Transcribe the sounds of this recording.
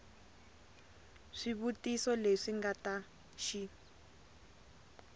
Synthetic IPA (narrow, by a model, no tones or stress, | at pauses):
ʂiβutisɔleʂiŋɡata | ʃi